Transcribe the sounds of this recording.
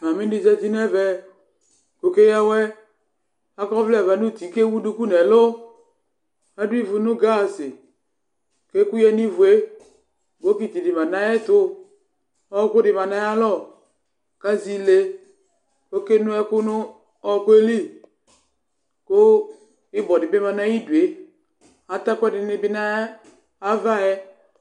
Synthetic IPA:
ma˨mĩ˦di˦zɛ˦ti˦n˦ɛ˦vɛ˨ | ko˨ke˦jɛ˦wɛ˦ | a˦kɔ˦vlɛ˨va˨nu˦˨t̪i˨ke˦wu˦du˦ku˦nɛ˨lʊ˦ | a˦dʊ˦i˦vʊ˨nʊ˦ɡa˦˨sɪ˨ | ke˦ku˦jɛ˦ni˦vu˨e˦ | ɡo˦ki˦t̪i˨dɪ˨ma˨nã˨˦jɛ˦t̪ʊ˦ | ɔ˦kʊ˦dɪ˨ma˨na˦a˦lɔ˦˨ | ka˦zi˦le˦ | o˦ke˦nʊ˦ɛ˦kʊ˦nʊ˦ | ɔ˦ke˦li˦ | kʊ˦ | ɪ˦bɔ˨dɪ˨bɪ˦ma˨na˦i˦du˨e˨ | a˨ta˦kʷɛ˦dɪ˨nɪ˦bɪ˦na˦ | a˦va˦ɛ˦

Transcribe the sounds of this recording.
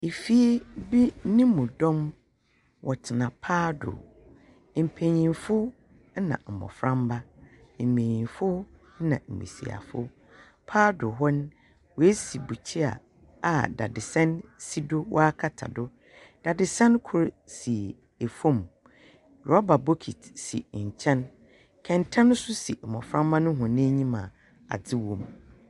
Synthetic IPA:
e˨fi˦bi˦nĩ˦mũ˨dɔ̃˦m | wʔɔ˨tʰɪ˨nã˨pʰaː˦dʊ̰˨ | m̩˨pʰẽ˨ɲĩ˨nfʊ˦ | nã̰˨m̩˨mɔ̰˨fɾã˦mba˦ | m̩˨mẽ˨ɲĩ˨nfʊ˦ | nã̰˨m̩˨mḭ̃˨sḭ˨a̰˨fʊ˦ | pʰaː˦dʊ˨ɦɔ˦n˦ | wɔ˨e˦si˨bu˨t͡ɕʰi˦a̰˨ | a˨da˨dɪ˨sɛ̃˦nsi˦do˦wʔɔ̰˦a˦kʰa˨tʰa̰˨dʊ˦ | d̥a˨dɪ˨sɛ̃˦nkʰʊ˦ɾ | si˨ | e˨fõ˦˨m | ɾɔ˦ba˨bo˦kʰi˨tsḭ˨ɲ̩˨t͡ɕʰɛ̃˦n | kʰɛ̃˨ntʰã˦n˦sʊ˦sḭ˨m̩˨mɔ̃˨fɾã˦mba˦nʊ̃˦ɦʊ̃˨nɪ̃˦ɲĩ˦mã˨ | a̰˨d͡zɪ˦wõ˨m

